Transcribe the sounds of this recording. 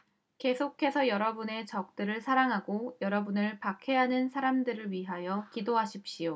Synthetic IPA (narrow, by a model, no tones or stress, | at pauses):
ke̞sʰokʰe̞sʰʌjʌɾʌbune̞t͡ɕʌk̚t͈ɯɾɯɭsʰaɾaŋɦaɡojʌɾʌbunɯɭpakʰe̞ɦanɯnsʰaɾamdɯɾɯɭɥiɦajʌkidoɦaɕʰip̚ɕ͈ijo